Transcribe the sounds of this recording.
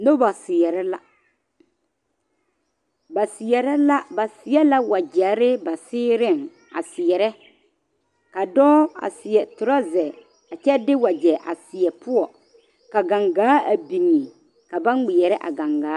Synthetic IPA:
no˦ba˨sɪ˨ɛ˨ɾɛ˦la˦ | ba˨sɪ˨jɛ˨ɾɛ˦la˦ba˨sɪ˨˦ɛ˦la˦wa˨d͡ʒɛ˨˦ɾɪ˦ba˨sɪː˦ɾɪ˦˨ŋ | a̰˨sɪ˨ɛ˨ɾɛ˦ | ka˨dɔː˦a̰˨sɪ˨ɛ˨tʊ˨ɾa˦zɛ˨ | a˨t͡ʃɛ˦dɪ˦wa˨d͡ʒɛ˨ʔa˨sɪ˨ɛ˨pʊ˦ɔ˨ | ka˨ɡa˨ŋɡaː˨˦a˨bi˨ŋi˨ | ka˨ba˦n˦ɡ͡bɪ˨jɛ˨ɾɛ˦ʔa̰˨ɡa˨ŋɡaː˨˦

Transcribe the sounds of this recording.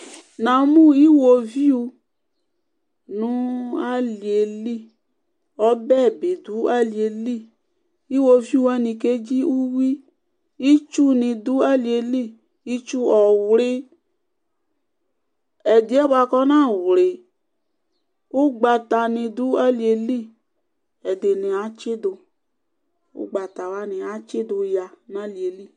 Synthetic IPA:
nã˨mũ˦i˦wo˨vi˦u˧ | nũ˦a˦li˨e˨li˦ | ɔ˨˦bɛ˦˨bi˨du˨˦a˦li˨e˨li˦˨ | i˦wo˧vi˦u˧˦a˦nĩ˨ke˦d͡ʒi˦u˦wi˦ | i˦t͡ʃu˦nĩ˨du˦a˦li˨e˨li˦˨ | i˦t͡ʃu˦ɔ˨wlɪ˦ | ɛ˨di˨˦ɛ˦ba˧kɔ˦nã˦˨wle˨ | u˦ɡ͡ba˨ta˨nĩ˧du˨˦a˦li˨e˧li˦˨ | ɛ˨de˨nĩ˨a˨˦t͡ʃɪ˦dʊ˧ | ṵ˦ɡ͡ba˨ta˨wa˦nɪ̃˨a˨˦t͡ʃɪ˦dʊ˧ja˨nã˦li˨e˨li˦˨

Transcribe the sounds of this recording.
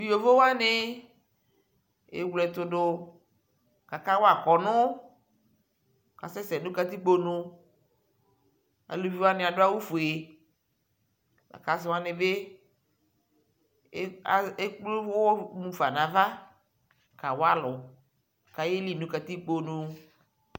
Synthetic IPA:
vi˨o˨vo˦wa˦nɪ˦ | ḛ˨wlɛ˨t̪ʊ˨dʊ˨ | ka˨ka˦wo˦a˨kɔ˨nʊ̃˦ | ka̰˨sɛ˦sɛ˨nũ˦ka˨t̪i˦k͡po˦nʊ̃˨ | a̰˨lo˨vi˨wa˦nɪ̃˨a˨dʊ˦a˦wu˦fo˨e˨ | a̰˨ka˨s̬ʊ˦wa˦nɪ˨be˦ | a˨e˦k͡plo˦vʊ˦wɔ˦mũ˨fa˨nã˨va˦ | ka˨wo˦a˦lʊ˨ | ka˨je˦li˦˨nũ˦ka˨t̪i˦k͡po˨nũ˨

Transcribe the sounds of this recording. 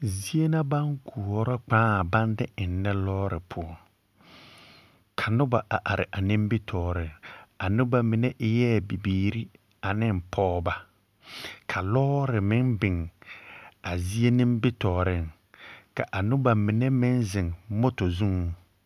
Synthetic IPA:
zi˦e˦na˦ba˦ŋku˨ɔ˨ɾɔ˦k͡pãː˦˨ba˦ndɪ˦ɪ˨nː˦ɛ˦lɔː˦ɾɪ˨pʰʊ˦ɔ˦ | kʰa˨nʊ˦ba˨ʔa˨ʔa˨ɾɪ̰˨ʔa˨nɪ̃˦mbɪ˦tʰɔː˨ɾɪ˦ŋa˨nʊ˦ba˦mɪ˨nɛ˦ʔɪ˦jɛː˦˨bi˨biː˨ɾi˦ | a˨nɪ˦m˨pʰɔː˦ba˨ | kʰa˨lɔː˦ɾɪ˨mɪ˦nbɪ˨ŋ | a˨zi˦e˦nɪ˦mbɪ˦tɔː˨ɾɪ˦ŋ | ka˨ʔa˨nʊ˦ba˨mɪ˨nɛ˦mɪ˦nzɪ˨ŋmo˦to˨zu˦ŋ˨˦

